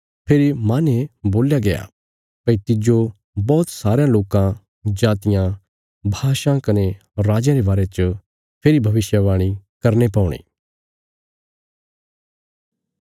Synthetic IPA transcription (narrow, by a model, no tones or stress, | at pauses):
pʰeːɾimãːneboːljaɡɐja̰ | pɐit̪ɪd͡ʒo | bɔːt̪saːɾejãloːkã | d͡ʒaːt̪ɪjã | bʱaːʃãkɐne | ɾaːd͡ʒjãɾebaːɾet͡ʃə | pʰeːɾibʱɐʋɪʃjəʋaːɽ̃ikɐɾnepãːuɽ̃ḭ̃ː